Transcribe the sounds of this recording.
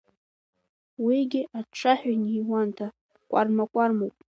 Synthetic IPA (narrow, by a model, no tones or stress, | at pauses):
wiɡʲɪaʈ͡ʂʰaħʷᶣanijwantʰa | kʷʼa̰rmakʷʼarmowpʼ